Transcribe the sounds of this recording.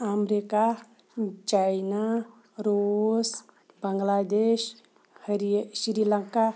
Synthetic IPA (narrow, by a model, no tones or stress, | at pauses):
amɾika | t͡ʃajna | ɾos | bəŋɡlad̪eʃ | hɾiʃiɾiləŋka